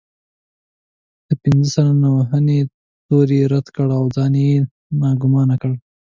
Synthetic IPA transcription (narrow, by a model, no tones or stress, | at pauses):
d̪̥əpɪnzəsalanawaɦane | t̪oɾeɾad̪kəɽawd͡zɑneje | nɑɡʊmɑnakəɽ